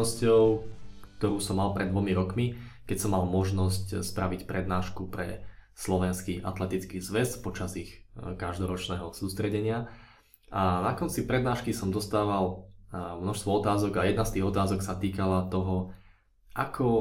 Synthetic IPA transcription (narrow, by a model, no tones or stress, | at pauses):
ɔscɔʊ | t̪ɔɾuːsɔmːalpɾʔɛd̪ʋɔmiɾɔkmikɛcsɔmːalˠmɔʒnɔscspɾʔaʋicpɾɛd̪naːʃkupɾɛ̰slɔʋɛnskiːʔa̰t̪lɛt̪it͡skiːzʋɛspɔt͡ʃazixkaʒd̪ɔɾɔt͡ʃnɛɦɔsuːst̪ɾɛɟɛɲɪa | ʔanakɔnt͡sipɾɛd̪naːʃkisɔmd̪ɔst̪aːʋal | mnɔʃst̪ʋɔɔt̪aːzɔɡajɛd̪nast̪iːɣɔt̪aːzɔksat̪iːkalat̪ɔɦɔ | ʔakʰɔ